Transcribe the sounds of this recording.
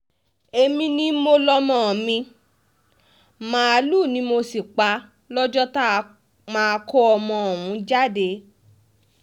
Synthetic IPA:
e˧mĩ˧nĩ˦mo˧lɔ˧mɔ̃˨mĩ˧ | mãː˨˧a˧luː˦˨nĩ˨˦mo˧si˨k͡pa˧˦ | lɔ˦d͡ʒɔ˦ta˦ | mã˧ko˦ɔ˧mɔ̃˧˨wũ˨˦d͡ʒa˦˨de˨˧˦

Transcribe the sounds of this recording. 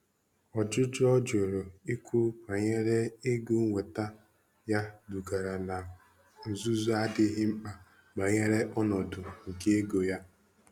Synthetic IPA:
ɔ˨d͡ʒʊ˦d͡ʒɔ˦d͡ʒo˨ɾo˨i˦kʰʷu˦k͡pa˨ɲe˦ɾe˦e˦ɡu˦ŋʷe˨ta˦ | ja˦du˨ɡa˨ɾa˨na˨ | n̩˨zu˦zu˦a˦dɪ˦ɦɪ˦ŋ͡m̩˦k͡pa˨ | ɡ͡ba˨ɲe˦ɾe˦ʔɔ˦nɔ˨dʊ˨ŋ̩˨ke˦e˦ɡo˨ja˦

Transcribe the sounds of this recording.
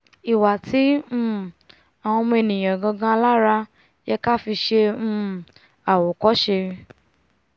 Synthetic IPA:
i˨wa˨tʰĩ˨˦˨ | a˨w̃ɔ̃˧m̃˧e˧˨nĩ˨j̃ã˨ɡã˧ɡã˧la˦ɾa˧ | jɛ˧ka˦fi˧ʃẽ˧˦ | a˨wɔ˨kɔ˨˦ʃe˧ɾ

